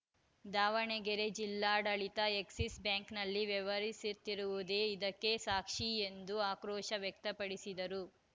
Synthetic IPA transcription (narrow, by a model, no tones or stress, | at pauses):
d̪aːʋɐɳɛɡeɾe̞d͡ʒilːaːɖɐɭit̪ɐeksisbjaːŋknɐlːiʋɛʋɐɾisit̪ːiɾuʋud̪e̞ːid̪ɐkːe̞saːkʂiend̪uaːkɾɔːʃɐʋjɐk̚t̪ɐpɐɽisid̪ɐɾu